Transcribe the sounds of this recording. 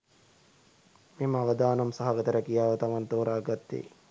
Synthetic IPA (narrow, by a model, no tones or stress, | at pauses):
meməaʋəd̪aːnɐmsaɦaɡɐt̪əɾəkijaːʋət̪ɐʋant̪oːɾaːɡat̪ːḛː